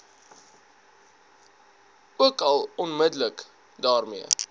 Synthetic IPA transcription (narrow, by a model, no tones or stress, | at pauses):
uəkɐlˠɔnmədələk | dɑːrmiə